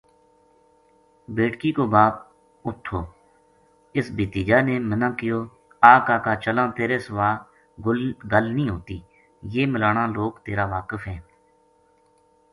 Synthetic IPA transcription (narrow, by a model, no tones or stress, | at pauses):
beːʈkiːkoːbaːp̚ | ʊt̪ʰːoː | ɪsbiːt̪iːd͡ʒaːneːmənãːkɪjoː | aːkaːkaːt͡ʃəlãːt̪eːɾeːsəʋaː | ɡʊlɡəlnĩːɦoːt̪iː | jeːməlaːnãːloːkt̪eːɾaːʋaːkəfɦɛ̃ː